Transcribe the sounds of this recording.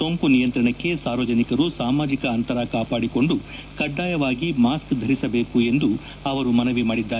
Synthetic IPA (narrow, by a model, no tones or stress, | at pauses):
soŋkunijɐnt̪ɾɐɳɐkːe̞saːɾʋɐd͡ʒɐnikɐɾusaːmaːd͡ʒikɐːnt̪ɐɾakaːpaːɽiko̞ɳɖu | kɐɖːaːjɐʋaːɡimaːskd̪ʱɐɾisɐbe̞ːkue̞nd̪u | ɐʋɐɾumɐnɐʋimaːɽid̪ːaː